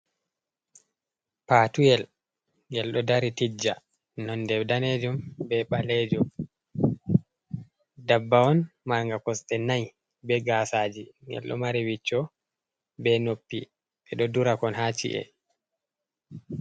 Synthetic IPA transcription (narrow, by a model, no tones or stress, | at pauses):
paːtujɛl | ŋɡɛlɗɔdaɾitid͡ʒːa | nɔndɛwdaned͡ʒumbɛɓalɛd͡ʒum | dabːaɔnmaɾŋɡakɔsɗɛnaj | bɛɡaːsaːd͡ʒiŋɡɛ̰lɗɔ̰maɾiwit͡ʃːɔ | bɛnopːi | ɓɛɗɔduɾakɔnɦat͡ʃḭʔɛ̰